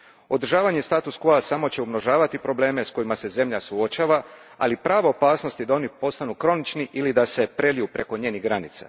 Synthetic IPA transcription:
o̞d̪ɾ̩ʒaːʋaɲe̞st̪aːt̪uskoasamo̞t͡ɕe̞ubno̞ʒaːʋat̪ipɾo̞ble̞ːme̞sko̞jimase̞ze̞mʎasuo̞t͡ʃaːʋa | a̰lipɾaːʋaopaːsno̞st̪id̪ao̞nipo̞st̪anukɾo̞nit͡ʃniʔilid̪ase̞pɾe̞lijupɾe̞ko̞ɲe̞ːniɦɡɾanit̪sa̰

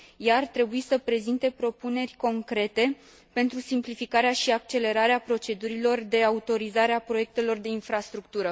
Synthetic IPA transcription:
jaːrt̪ɾe̞buisəpɾe̞zint̪e̞pɾo̞pune̞rʲko̞ŋkɾe̞t̪e̞ | pe̞nt̪ɾusimplifikaɾeaʃiak̚t͡ʃe̞le̞ɾaɾeapɾo̞t͡ʃe̞d̪uɾilo̞rd̪e̞aut̪o̞ɾizaɾeapɾo̞je̞k̚t̪e̞lo̞rd̪e̞infɾast̪ɾuk̚t̪uɾə

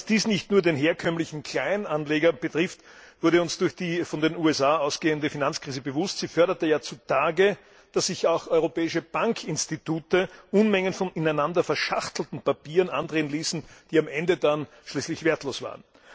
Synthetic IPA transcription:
asd̥iːsnɪçtnuːɐdeːnɦeːɐkʰœmlɪçn̩kʰl̥aɪnanleːɡɐb̥ətʁ̥ɪft | v̥ʊɐɾəʊnsd̥ʊɐçd̥iːfɔndenuːɛsaːaʊsɡ̥eːəndəfinant͡skʁiːzəbəvʊstz̥iːfœɐɾɐtəjaːt͡sutʰaːɡə | d̥asːɪçaʊxɔʏʁopɛːɪʃəb̥aŋkʰɪnstituːtəʔʊnmɛŋənfɔnɪnæɪnandɐfɛɐʃaχtl̩tn̩papiːʁənʔandʁeːənliːsn̩d̥iːamʔɛndədan | ʃliːslɪçveːɐtloːsv̥a̰ːʁən

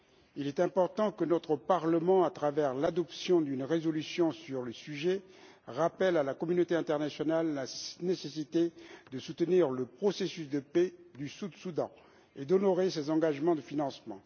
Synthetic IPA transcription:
ilɛt̪ɛ̃pɔʁt̪ɑ̃kənɔt̪χəpaʁləmɑ̃at̪χavɛʁlad̪ɔpsjɔ̃d̪ynʁezɔlysjɔ̃syʁləsyʒɛ | ʁapɛlalakɔmynot̪eɛ̃t̪ɛʁnasjɔnalːanesesit̪ed̪əsut̪əniʁləpχɔsesysd̪əpɛd̪ysud̪sud̪ɑ̰̃ | ed̪ɔnɔʁesezɑ̃ɡaʒmɑ̃d̪əfinɑ̃smɑ̰̃

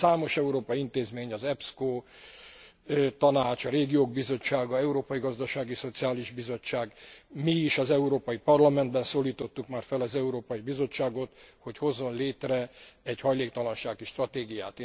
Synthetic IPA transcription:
aːmo̞ʃɛuɾoːpɒjiint̪eːzmeːɲɒzɛpskoː | t̪ɒnaːt͡ʃɒɾeːɡijoːɡ̚bizo̞t͡ʃːaːɡɒɛuɾoːpɒjiɡɒzd̪ɒʃaːɡiso̞t̪siaːliʒbizo̞t͡ʃːaːɡmiːʃɒzɛuɾoːpɒjipɒrlɒmɛnd̪bɛnsoːliːt̪o̞t̪ːukmaːrfɛlɒzɛuɾoːpɒjibizo̞t͡ʃːaːɡo̞t̪ho̞cho̞zːo̞nleːt̪rɛɛɟhɒjleːk̚t̪ɒlɒnʃaːɡiʃt̪rɒt̪eːɡija̰ːt̪eː

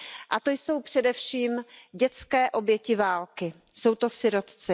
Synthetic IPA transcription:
ʔat̪o̞jso̞wpr̝̥ɛdɛfʃiːmɟɛt͡skɛːʔo̞bjɛcɪvaːlkɪ | so̞wt̪o̞sɪɾo̞t̪t͡sɪ

